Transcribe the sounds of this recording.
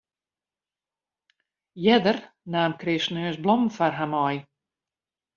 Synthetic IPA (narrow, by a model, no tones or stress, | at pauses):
jɛdər | naːmkrɪsnøːsblɔmfarɦamɔj